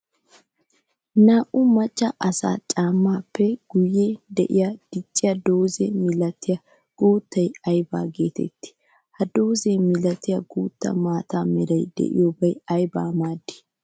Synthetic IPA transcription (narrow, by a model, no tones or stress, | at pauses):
naːʔʊmɐt͡ʃʼːɐʔɐsa̰ːt͡ʃʼaːmːaːpːɛɡ̥ʊjed̪ɛ̰ʔɪ̰jɐd̪̥ɪt͡ʃʼːɪjɐd̪oːzɛmɪlɐt̪ːɪjɐ | ɡ̥oːt̪ːɐjɐjba̰ːɡe̞ːt̪ɛ̰t̪ːɪ̥ | hɐd̪o̞ːzemɪlɐt̪ːɪjɐɡuːt̪ːɐ̰maːt̪aːmɪɾɐjd̪ɛ̰ʔɪ̰joːbɐjɐjbaːmaːd̪ːɪ̥